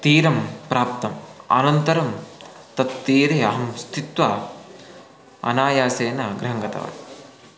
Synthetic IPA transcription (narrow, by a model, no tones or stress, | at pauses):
t̪iːɾɐmpɾaːp̚t̪ɐmɐ̰nɐnt̪ɐɾɐm | t̪ɐt̪ːiːɾeɐɦɐmst̪ʰit̪ʋa | ɐ̰naːjaːseːnɐɡɾɐɦɐŋɡɐt̪ɐ̰ʋa̰